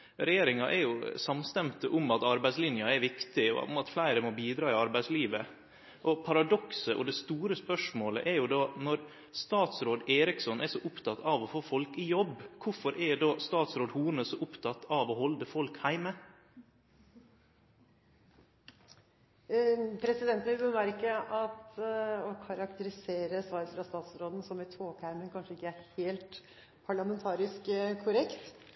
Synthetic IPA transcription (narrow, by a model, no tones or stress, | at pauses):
ɾɛjeːɾɪŋɑʔɛɾjʊsɑmst̪ɛmt̪əʔʊmɑt̪ɑɾbæɪslɪnjɑɛɾʋɪkt̪ɪɔ̰ʊ̰mɑt̪flæɪɾəmɔbiːd̪ɾɑːɪɑɾbæɪsliːʋə | ʔɔpʰɑɾɑd̪ɔksəʔɔ̰d̪ɛst̪uːɾəspœʂmoːlə̰ʔɛɾjʊd̪ɑːnɔɾ | st̪ɑːt̪sɾoːd̪eːɾɪksɔnʔɛʂɔʔʊpt̪ʰɑt̪ʰɑʋɔfoːfɔlkɪjɔbkʰʊfɔɾʔɛɖ̪ɑːst̪ɑːt̪sɾoːd̪huːɳəsɔʔʊpt̪ʰɑt̪ɑʋoːhɔld̪əfɔlkhæɪmə | pʰɾɛsɪd̪ɛnt̪n̩ʋɪlbəmæɾkəɑt̪ɔkʰɑɾɑkt̪əɾɪseːɾəsʋɑːɾəfɾɑst̪ɑːt̪sɾoːd̪n̩sɔmɛt̪ʰoːkʰæɾmənkʰɑnʂəɪkːəæɾheːlt̪ | pʰɑɭɑmɛnt̪ʰɑːɾɪskkʰʊɾɛkt̪